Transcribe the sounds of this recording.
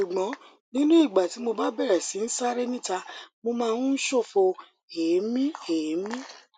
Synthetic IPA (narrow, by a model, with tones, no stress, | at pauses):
u˨ɡ͡bɔ̃˨˦ | nĩ˦nũ˦i˦˨ɡ͡ba˨ti˨˦mo˧ba˦bɛ˦˨ɾɛ˨si˨˦n̩˦sa˦ɾɛ˦nĩ˦ta˧mo˧mãː˦˧n˦n̩˦ʃo˦˨fo˧ | e˨˦mĩ˦e˨˦mĩ˦